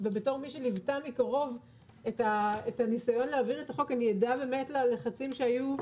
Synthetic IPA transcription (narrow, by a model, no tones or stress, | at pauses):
vebeto̞ʁmiʃelivtamikaʁo̞v | etaetanisajo̞nleaviʁetaχo̞kanijedabe̞ːme̞tlaleχat͡simʃeaju